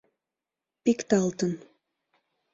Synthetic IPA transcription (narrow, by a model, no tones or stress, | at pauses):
pikt̪ɑlt̪ən